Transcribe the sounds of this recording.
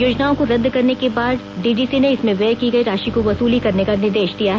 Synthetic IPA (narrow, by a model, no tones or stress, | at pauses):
joːd͡ʒnaːõkoɾɐd̪ʱkɐɾnekebaːd̪ | ɖiːɖiːsineɪsmẽʋeːkiɡɐiɾaːʃikoʋɐsuːlikɐɾnekanɪɾd̪eːʃd̪ijaɦɛ